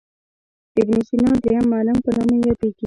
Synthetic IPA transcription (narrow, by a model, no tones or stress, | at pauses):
ɪbnisinɑd̪ɾejamːɑlampənɑmejɑt̪eɡi